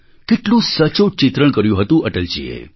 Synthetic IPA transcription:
keʈlũsət͡ʃõt͡ʃɪt̪ɾəɳ̃kəɾjũɦət̪ũʔəʈəld͡ʒḭḛ

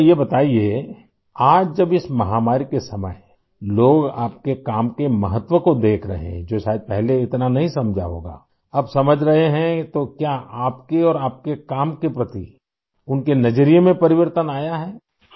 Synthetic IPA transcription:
jebɐt̪aːie | aːd͡ʒd͡ʒɐbɪsmɐɦaːmaːɾikesɐməj | loːɡaːp̚kekaːmkemɐɦət̪wəkod̪eːkʰɾɐ̰ɦḛ̃ɦɛ̃d͡ʒoːʃaːjəd̪̚pɛɦleɪt̪nanɐɦĩsɐ̃md͡ʒʱa̰ɦo̰ːɡa̰ː | ɐbsɐməd͡ʒʱɾɐɦeɦɛ̃t̪okjaʔaːpkeɔːɾaːp̚kekaːmkepɾɐt̪ḭ | ʊnkenɐd͡ʒɾijemẽpɐɾɪʋəɾt̪ənaːjaɦɛː

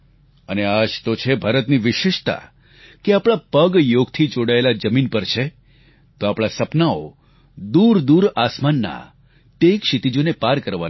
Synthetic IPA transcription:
əneaʃt̪ot͡ʃʰebʱaɾət̪niʋɪʃɪʃt̪a̰ | keapɽ̃apəɡjoɡt̪ʰid͡ʒoɽaelad͡ʒəminpəɾt͡ʃʰe | t̪oapɭ̃asəpnao̰ | d̪uɾd̪uɾasmanːa̰ | t̪ekʃit̪id͡ʒonepaɾkəɾʋa̰

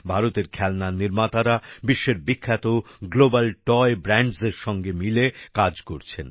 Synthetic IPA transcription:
bʱaɾot̪eɾkʰɛlnaniɾmat̪aɾabiʃːeɾbikʰːat̪oɡlobalʈɔebɾaɳɖseɾʃɔŋɡemilekad͡ʑkoɾt͡ɕʰen

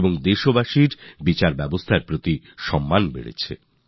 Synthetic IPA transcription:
boŋd̪eʃobaʃiɾbit͡ɕaɾbɛbost̪ʰaɾpɾot̪i | ʃɔmːanbḛɽḛt͡ɕʰḛ

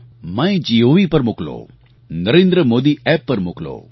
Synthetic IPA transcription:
maĩd͡ʒioːʋipɐɾmʊklo̰ː | nəɾẽːnd̪ɾəmoːd̪iʔɛpːəɾmʊklo̰ː

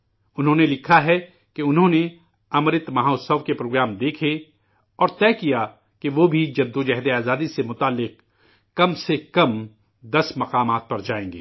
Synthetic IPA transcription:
ʊnɦõnelɪkʰaɦɛ | keʊnɦõːne | ɐmɾɪt̪mɐɦaʊsəʋkepɾoːɡɾaːmd̪eːkʰe | ɔːɾt̪ɛːkija | keʋoːbʱid͡ʒɐd̪ːod͡ʒɛɦd̪eaːzaːd̪isemʊt̪aːlːɪq̚ | kɐmsekɐm | d̪ɐsmɐqaːmaːt̪̚pɐɾd͡ʒaːẽːŋɡḛː

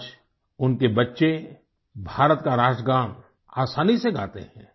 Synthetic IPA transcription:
d͡ʒ | ʊnkebɐtːʃe | bʱaːɾət̪kaɾaːʃɾəɡaːn | a̰ːsaːniseɡaːt̪ḛɦɛ̰̃ː

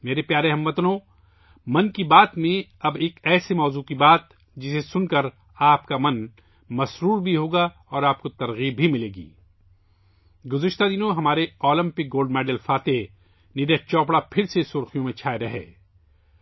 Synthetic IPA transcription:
meːɾepjaːɾeɦɐmːɐt̪nõː | mɐnkibaːt̪mẽɐbeːkɛːsemɔːzukibaːt̪̚ | d͡ʒɪsesʊnkɐɾ | aːpkamɐn | mɐsɾuːɾbʱiɦoːɡa | ɔːɾaːp̚kot̪ɐɾɣiːbʱimɪleːɡḭː | ɡʊzəʃt̪ad̪ɪnõɦɐmaːɾeɔːlɐ̃mpɪk̚ɡoːlɖmɛːɖəlfaːt̪e | nɪd̪et͡ʃɔːpɽapʰɪɾsesʊɾxijõmẽt͡ʃʰaːeɾɐɦḛː

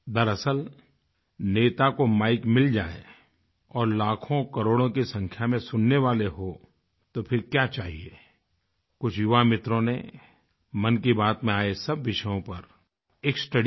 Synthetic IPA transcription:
d̪ɐɾɐsəl | neːt̪akomaːɪkmɪld͡ʒaːḛ | ɔːɾlaːkʰõkɐɾoːɽõkisɐ̃ŋkʰjamẽsʊnːeʋaːleɦo | t̪opʰɪɾkjaːt͡ʃaːɦieː | kʊt͡ʃʰjʊʋamɪt̪ɾõnḛ | mɐnkibaːt̪mẽaːesɐbʱʋɪʃəjõpɐɾ | eːksʈəɽ

